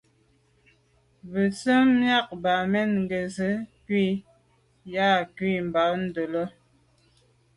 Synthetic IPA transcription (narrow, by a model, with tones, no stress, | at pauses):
bə˨sə˦mja˦˨k̚ba˨mɛ˦nŋ̩˨ɡə˨zə˨˦kwi˦˨ | ja˦˨kwi˦˨m̩˨ba˨˦n̩˦do˨lə˦